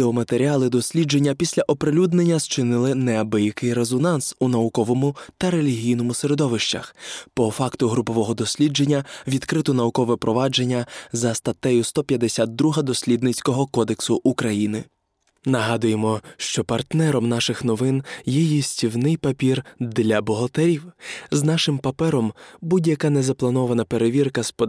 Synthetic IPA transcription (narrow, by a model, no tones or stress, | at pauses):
d̪ɛɔmɐt̪eɾʲiɑlˠɪd̪ɔsʲlʲid͡ʒe̞nʲːɐpʲisʲlʲɐʔɔpɾelʲud̪ne̞nʲːɐzt͡ʃɪnɪlˠɪnɛɐbɪjikɪjɾezɔnɑnsunɐʊkɔʋɔmʊt̪ɐɾe̞lʲiɦʲijn̪ɔmʊseɾe̞d̪ɔʋɪʃt͡ʃɐ̰xpɔfɑkt̪ʊɦɾʊpɔʋɔɦɔd̪ɔsʲlʲid͡ʒe̞nʲːɐʋʲid̪kɾɪt̪ʊnɐʋʊkɔʋɛpɾɔʋɑd͡ʒe̞nʲːɐzɐst̪ɐt̪ɛjʊst̪ɔpʲjɐd̪esʲat̪̚d̪ɾuɦɐd̪ɔsʲlʲid̪nɪt͡sʲkɔɦɔkɔd̪eksʊʔukɾɐjinɪ | nɐɦɑd̪ʊjemɔʃt͡ʃɔpɐrt̪nɛɾɔmnɑʃɪxnɔʋɪnjɛjisʲtʲiwnɪjpɐpʲird̪lʲɐbɔɦɐt̪eɾʲiwznɑʃɪmpɐpɛɾɔmbudʲjɐkɑnɛzɐplˠɐnɔʋɐnɐpe̞ɾeʋʲirkɐspɔ